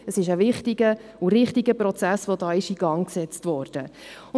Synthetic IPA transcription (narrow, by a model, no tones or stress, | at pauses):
əsɪʃəvɪχtiɡəuɾɪχtiɡəpɾɔt͡sæsʋodɑːɪʃiɡ̥ɑŋksɛt͡stʋɔːɾd̥ə | ʊ